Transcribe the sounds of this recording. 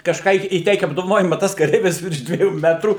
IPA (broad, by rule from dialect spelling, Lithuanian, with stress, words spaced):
kɐʃˈkɑː iː iːˈtʲɛɪkʲɛ ɐbdoːʋɐˈnoːjɪmɐ ˈtɐs kɐˈrʲɛɪʋʲɪs ʋʲɪrʃ dʲʋʲiɛˈjuː ˈmʲæːtruː